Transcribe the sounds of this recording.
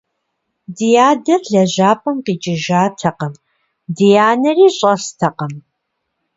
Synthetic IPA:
dijaːdɐrɮɐʑaːpʼɐmqiːt͡ʃʼɪʒaːtʰɐqɐm | dijaːnɐriːɕʼɐstʰɐqɐm

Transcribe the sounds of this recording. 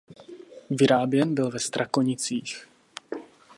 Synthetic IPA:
vɪɾaːbjɛnbɪlvɛst̪ɾʔakoɲɪt͡siːx

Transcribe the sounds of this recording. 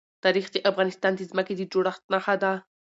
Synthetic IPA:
t̪ɑɾixd̪əʔafɣɑnɪst̪ɑnd̪əzməked̪əd͡ʒoɽaxt̪naxad̪a

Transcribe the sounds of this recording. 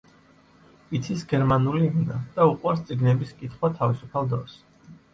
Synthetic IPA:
it̪sʰisɡɛɾmanulina̰d̪̥auqʼwaɾst̪sʼiɡnɛbiskʼit̪ʰχwat̪ʰavisupʰalˠd̪ɔ̰s

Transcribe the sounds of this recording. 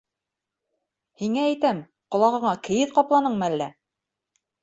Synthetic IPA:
hiŋæːjt̪æm | qŏlˠɑʁɤ̆ɴɑkɘ̆jɘðqɑplˠɑnɤɴmɘælːæ

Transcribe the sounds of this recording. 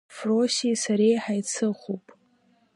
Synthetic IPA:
frosisaɾejħajt͡sʰɨχʷopʼ

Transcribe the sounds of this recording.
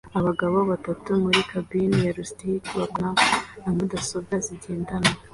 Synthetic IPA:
aβaɡaββaβatatumuɾikʰabinjaɾustiitβaknanamudasobɡaziɟe̞ːndana

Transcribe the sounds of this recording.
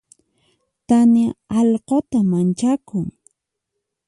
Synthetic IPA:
t̪anaɑʎqot̪amant͡ʃakʊŋ

